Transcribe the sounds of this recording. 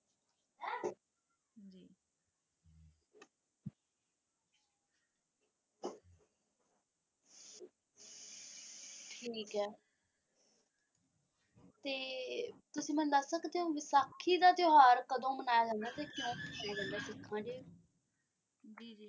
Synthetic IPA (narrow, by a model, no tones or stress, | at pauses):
d͡ʒiː | ʈʰiːkɦɛː | t̪eːt̪ʊsĩːmɛ̃ːd̪əsːəkd̪eːɦõːʋɪsaːkʰːiːd̪aːt̪ɪɦaːɾkəd̪õːmənaːjaːd͡ʒãːnd̪aːt̪ɛːkɪjõːaːd͡ʒãːnd̪aːsɪkʰːãːɖeː | d͡ʒiːd͡ʒiː